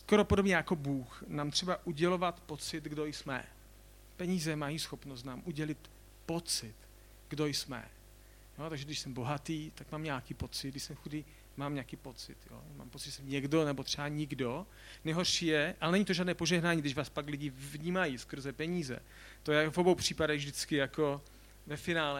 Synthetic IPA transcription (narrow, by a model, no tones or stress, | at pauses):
skoɾo̞podobɲɛjako̞buːxnaːmt̪r̥ɛbaʔuɟɛlo̞vat̪po̞t͡sɪt̪ɡdojsmɛ̰ | pɛɲiːzɛmajiːsxopnos̬t̪naːmʔuɟɛlɪt̪ | pot͡sɪt̪ | ɡ̥do̞jsmɛ̰ | jot̪aɡʒɛɡdɪʃsɛmbo̞ɦat̪iːt̪akmaːmɲaːkiːpo̞t͡sɪd̪ɡdɪʃsɛmxudiː | maːmɲaːkiːpo̞t͡sɪ̰t̪jo̰ma̰ːmpot͡sɪtʒɛsɛmɲɛɡdo̞nɛbot̪r̥ɛbaɲɪɡdo | nɛɦorʃijɛʔalɛnɛɲɪt̪o̞ʒaːdnɛːpo̞ʒɛɦnaːɲiɡdɪʃʒvaːspaklɪɟɪvɲiːmajiskr̩zɛpɛɲiːzɛ̰ | t̪ojɛvobowpr̝̥iːpadɛɣvdɪt͡skɪjako̞ | vɛfɪnaːlɛ